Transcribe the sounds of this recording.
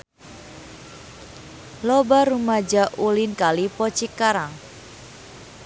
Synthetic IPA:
lɔbaɾumad͡ʒaʔulinkalipɔt͡ʃikaɾaŋ

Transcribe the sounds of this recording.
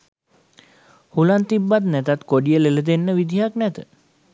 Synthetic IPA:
hulant̪ibːat̪nɛt̪at̪koɖijəlelət̪enːəʋid̪ʱijaknɛt̪ə

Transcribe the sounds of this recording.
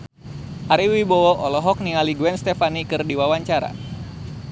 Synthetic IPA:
ʔaɾiwibɔɔʔɔlɔɦɔk̚niŋaliɡuɛnst̪ɛfanikɨrdiwawaɲt͡ʃaɾa̰

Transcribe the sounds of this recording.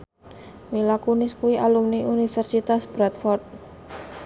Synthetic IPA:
milakunɪskuiʔalumniʔunifɛrsit̪asbɾat̪fɔrt̪̚

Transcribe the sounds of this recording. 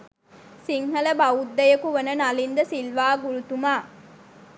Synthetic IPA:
siŋɦɐlɐbɐud̪ːɐjɐkuʋɐnɐnɐlind̪ɐsilʋaːɡuɾut̪umaː

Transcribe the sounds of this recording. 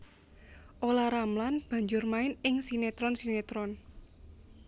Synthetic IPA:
ʔolaɾamlanb̥ä̤ɲd͡ʒʊrmaɪnɪŋsinet̪ɾɔnsinet̪ɾɔn

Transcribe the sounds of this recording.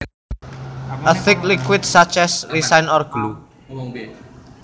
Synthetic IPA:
ʔəθɪklikwɪdsat͡ʃɛsɾisajnɔrɡ̥lu

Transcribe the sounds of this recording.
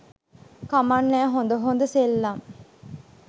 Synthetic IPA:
kamanːæːɦond̪əɦond̪əselːam

